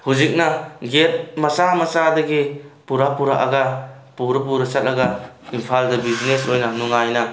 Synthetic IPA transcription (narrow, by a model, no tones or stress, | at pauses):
huzik̚nɐɡet̚mɐsamɐsadɐɡipuɾapuɾa̰ʔa̰ɡɐ | puɾɐp̬uɾɐsɐt̚lɐɡɐ | impʰaldɐbizinesojnɐnuŋajnɐ